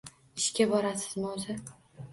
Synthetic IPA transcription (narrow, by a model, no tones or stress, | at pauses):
ɪʃkʲabɒɾasɪ̥zmza